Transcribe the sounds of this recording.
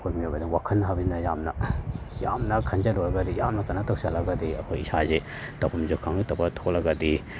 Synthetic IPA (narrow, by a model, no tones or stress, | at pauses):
kʰojmiobɐdiŋwakʰɐnːɐɦabinːɐjamnɐjamnɐkʰand͡ʒɐlojlɐɡadijamnɐkɐnatʰak̚salɐɡɐd̪iɐ̰kʰojisaze | tapʰɐmzukʰːaŋitapɐtʰolɐɡɐdi